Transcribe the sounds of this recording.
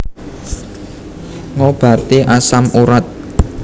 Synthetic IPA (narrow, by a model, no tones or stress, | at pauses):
ŋob̥ä̤t̪eʔasamuɾat̪̚